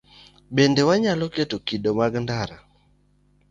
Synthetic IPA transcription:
bendewaɲalɔketokidomaɡndaɾa

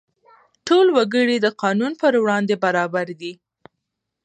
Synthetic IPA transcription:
ʈolwaɡəɽid̪əqɑnunpəɾwɽɑnd̪ebaɾɑbaɾd̪i

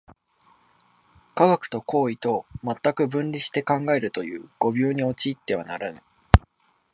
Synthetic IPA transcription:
kaɡakɯ̥t̪o̞ko̞ːit̪o̞mat̪ːakɯ̟bɯ̟̃nɾʲiɕi̥t̪e̞kãŋɡae̞ɾɯ̟t̪o̞jɯ̟̰ːɡ̥o̞bʲo̞ːɲ̟io̞t͡ɕiːt̪ːe̞β̞a̰naɾanai

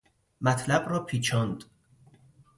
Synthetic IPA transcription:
mæt̪ʰlæbɾɒːpʰiːt͡ʃʰɒːnd̪

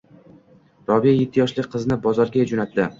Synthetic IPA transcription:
ɾɒvijajet̪ʰːɪjɒʃlɪqʰɨznɪbɒzɒɾɡʲad͡ʒonat̪ːɪ

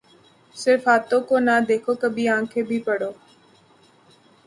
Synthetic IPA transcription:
sɪɾfaːt̪õːkoːnaːd̪eːkʰoːkəbʱiːãːkʰeːbʱiːpəɽ̤oː

